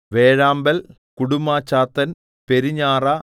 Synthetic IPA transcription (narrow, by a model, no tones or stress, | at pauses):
ʋe̞ːɻaːmbɐl | kuɽumːaːt͡ɕːaːt̪ːɐn | pe̞ɾiɲːaːrɐ